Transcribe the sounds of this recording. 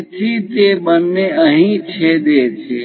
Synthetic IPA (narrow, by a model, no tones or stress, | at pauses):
t͡ʃit̪eːbənːeəɦĩt͡ʃʰed̪eːt͡ʃʰeː